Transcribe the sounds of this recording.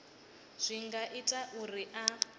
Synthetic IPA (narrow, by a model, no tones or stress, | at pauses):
z̥ʷiŋɡaʔitʼaʔuriʔa